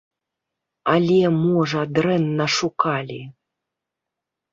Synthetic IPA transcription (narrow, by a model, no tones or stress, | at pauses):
alʲɛmɔʐɐd̪ɾɛnːɐʂukalʲi